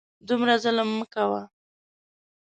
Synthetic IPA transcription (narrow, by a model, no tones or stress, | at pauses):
d̪umɾazələmːəkawa